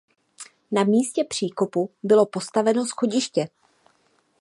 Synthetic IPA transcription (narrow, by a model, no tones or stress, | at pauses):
namiːscɛpr̝̥iːko̞pubɪlo̞po̞st̪avɛno̞sxo̞ɟɪʃcɛ